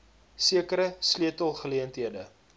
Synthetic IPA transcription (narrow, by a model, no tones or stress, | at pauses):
siəkəɾəsliətəlˠχəliəntɦiədə